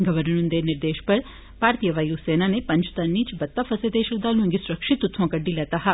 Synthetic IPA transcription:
ɡəʋəɾnũnd̪eːnɪɾd̪eːʃpɐɾ | paːɾt̪ijəʋaːjuseːnaːnepɐ̃ɲd͡ʒt̪ɐnːĩt͡ʃbɐt̪ːaːfʰɐsed̪eːʃək̚d̪aːlũŋɡisʊɾəkʃɪt̪ːʊt̪ʰːõkəɖːilɛːt̪aːɦɛ

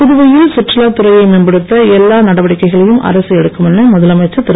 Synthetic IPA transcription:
pʊðɯʋɐjɪlsɪʈrɐlaːt̪ʊɾɐjɐɪmɪnbɐɽɯt̪ːɐɛlːaːnɐɽɐʋɐɽɪkːɐɪɣɐɭɐjɯmʔɐ̰ɾɐsɯɛɽɯkːɯmɛnːɐmʊðɐlɐmɐɪt͡ʃːɐt̪ːɪɾɐ

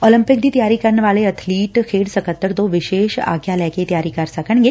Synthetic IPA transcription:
oːlə̃mpɪk̚d̪iːt̪ɐjaːɾikɐɾnʋaːleɐt̪ʰliːʈkʰeːɽsɐkət̪ːəɾd̪oːʋɪʃeːʃa̰ːɡjalɛːket̪ɐjaːɾikaɾsɐkʰəɽɡe

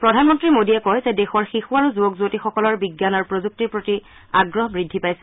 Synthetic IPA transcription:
pɹɔdʱanmɔntɹimodiɛkɔjzɛdɛxɔɹxixuaɹuzubɔkzuotixɔkɔlɔɹbiɡjanaɹpɹozuk̚tiɹpɹoti | aɡɹɔɦɔbɹidʱːipajsɛ

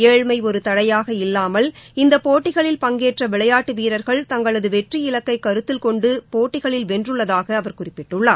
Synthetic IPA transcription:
eːɻmɐɪɔɾɯt̪ɐɽɐjaːɣɐɪlːaːmɐlɪnd̪ɐpoːʈːɪɣɐɭɪlpɐŋɡeːʈrɐʋɪɭɐjaːʈːɯʋiːɾɐɾɣɐɭt̪ɐŋɡɐɭɐðɯʋɛʈriɪɭɐkːɐɪkːɐɾɯt̪ːɪlkɔɳɖɯpoːʈːɪɣɐɭɪlʋɛndrɯɭːɐðaːɣɐːʋɐɾkʊrɪpːɪʈːɯɭːaː

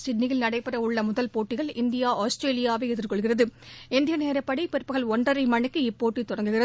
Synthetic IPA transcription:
sɪɖnɪjɪlnɐɽɐɪpːɐɾɐʊɭːɐmʊðɐlpoːʈːɪɣɐɭɪnd̪ɪjaːaːsʈɾeːlɪjaːʋɐɪɛðɪrkɔɭɣɪrɐðɯɪnd̪ɪjɐneːɾɐpːɐɽipɛɾpːɯɣɐɭɔɳɖɐɾɐɪmɐɳɪkːɯɪpːoːʈːit̪ːʊɽɐŋɡɯɣɪrɐ

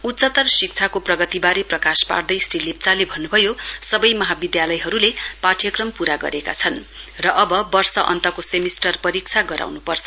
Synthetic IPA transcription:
ut̪ːt͡sʌt̪ʌrsik̚t͡sʰakoprʌɡʌt̪ibaɾeprʌkaspa̰rd̪ʌjsrilip̚t͡salebʱʌnːubʱʌjosʌbʌjmʌɦabid̪jalʌjɦʌɾulepaʈʰjʌkrʌmpuɾaɡʌ̰ɾeka̰t͡sʰʌn | rʌʔʌbʌbʌrsʌʔʌ̰nt̪ʌkosemisʈʌrpʌɾik̚t͡sʰaɡʌɾa̰wnupʌrt͡sʰʌ

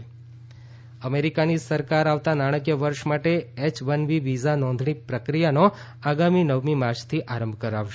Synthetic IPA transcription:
əmeɾikanisəɾkaɾaʋt̪anaɽ̃əkjəʋəɾʃmaʈeɛt͡ʃbənʋiʋizanɔ̃nd̪ʱɳ̃ipɾəkɾijano | aɡaminəʋmimaɾt͡ʃʰt̪ʰiʔaɾəmbʱkəɾaʋʃ

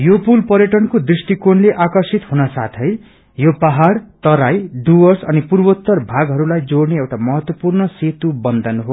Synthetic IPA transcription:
jopulpʌɾjʌʈʌnkod̪risʈikonleʔakʌrsit̪ɦunʌsa̰t̪ʰʌj | jopaɦaɽt̪ʌɾajɖuʌsʌ̰nipurbot̪ːʌrbʱaɡɦʌɾulajd͡zoɽneewʈamʌɦʌt̪wʌpurnʌset̪ubʌnd̪ʱʌnɦo

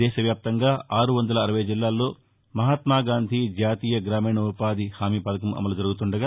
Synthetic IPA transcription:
ɛːʃɐʋjaːp̚t̪ɐŋɡaːʔaːɾuʋɐnd̪ɐlɐːɾɐʋɐjɐd͡ʒilːaːlːo̞ː | mɐɦaːt̪maːɡaːnd̪ʱid͡ʒaːt̪iːjɐɡɾaːmiːɳɐupaːd̪ihaːmiːpɐd̪ɐkɐmɐ̰mɐlud͡ʒɐɾuɡut̪uɳɖɐɡaː

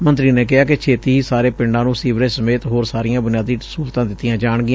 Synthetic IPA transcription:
mənt̪ɾiːneːk̬ɪɦaːkɪt͡ʃʰeːt̪iːɦiːsaːɾeːpɪɳɖãːnũːsiːʋɾẽːsəmeːt̪ɦoːɾsaːɾɪjãːbʊnɪjaːd̪iːsuːɾt̪ãːd̪ɪt̪ːɪjãːd͡ʒaːɳɡɪã

